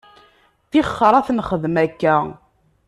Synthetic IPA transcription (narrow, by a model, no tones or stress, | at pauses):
θiχːɾˤɑθnχəðmækːæ